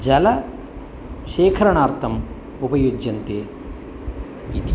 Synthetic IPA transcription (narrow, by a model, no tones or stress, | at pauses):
d͡ʒɐlɐ | ʃɛːkʰɐɾɐɳaːɾt̪ʰɐm | upɐjuːd͡ʒjɐnt̪eː | it̪